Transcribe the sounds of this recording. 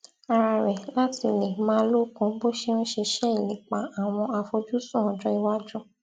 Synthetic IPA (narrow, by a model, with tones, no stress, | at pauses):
a˧ɾa˧ɾɛ˨la˦ti˧˨le˨˦mãː˦˧˦lo˦˨kũ˧˦bo˦ʃe˦ñ̩˦ʃe˧ʃɛ˦˨i˨nĩ˨k͡pa˨˦a˨w̃ɔ̃˧a˧fɔ˧d͡ʒu˦sũ˦˨ɔ̃˨d͡ʒɔ˦i˧wa˦d͡ʒɔ˦